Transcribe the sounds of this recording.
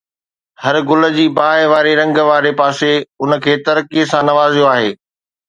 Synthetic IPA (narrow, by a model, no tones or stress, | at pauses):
hɐɾɡʊlə̆d͡ʑiːbaːɦɪʋaːɾeɾɐ̃ŋɡʋaːɾepaːseʊnə̆kʰeːt̪ɐɾkisãnɐʋaːzijoaːɦeː